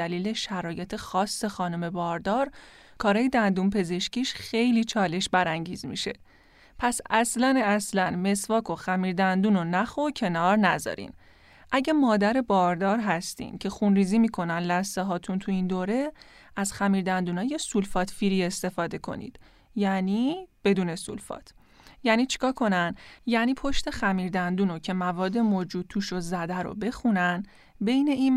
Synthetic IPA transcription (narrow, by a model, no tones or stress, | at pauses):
æliːle̞ʃæɾɒːje̞t̪ʰe̞xɒːsːe̞xɒːnome̞bɒːɾd̪ɒɾ | kʰɒːɾɒːjed̪ænd̪unpʰe̞ze̞ʃciːʃxe̞jliːt͡ʃʰɒːle̞ʃbæɾæŋɟḭːzmḭʃe̞̰ | pʰæsæslænæslænme̞svɒːkʰo̞xæmiːɾd̪ænd̪uːno̞næxocʰe̞nɒːɾnæzɒ̰ɾḭn | ʔæɟemɒːd̪æɾe̞bɒːɾd̪ɒːɾɦæst̪ḭːncʰe̞xunɾiːziːmiːkʰo̞nænlæsːeɦɒːt̪ʰunt̪ʰuiːnd̪oːɾe̞ | æz̥xæmiːɾd̪ænd̪uːnɒːje̞sulfɒːt̪ʰfiːɾiːe̞st̪e̞fɒːd̪e̞kʰo̞̰nḭːd̪̥ | jæniːb̥e̞d̪uːne̞sṵlfɒ̰ːt̪ʰ | jæːniːt͡ʃʰi̥kʰɒːɾkʰo̞nænjæːniːpʰo̞ʃt̪e̞xæmiːɾd̪ænd̪uːnocʰe̞mævɒːd̪ːe̞moːd͡ʒuːd̪̚t̪ʰuːʃozæd̪æɾo̰be̞xunæn | be̞jne̞iːn